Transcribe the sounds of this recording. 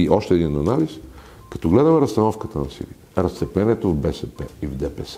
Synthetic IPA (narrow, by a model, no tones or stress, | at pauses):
iʔɔʃt̪ɛːd̪inɐnalis | kɐ̥t̪ɔɡlɛd̪ɐmɛɾɐst̪ɐnɔfkət̪ənɐsḭlḭ̥ | ɾɐst̪sɛplɛniɛt̪ovbɛsɛpɛivd̪ɛpɛs